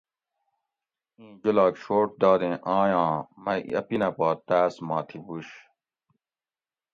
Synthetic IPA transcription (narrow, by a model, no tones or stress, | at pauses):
ĩːd͡ʑulaːkɕoːʈ̚d̪ɑːd̪ẽːʔãːjãːmɐɐ̰pinɐpaːt̪aːsmãːt̪ʰibuɕ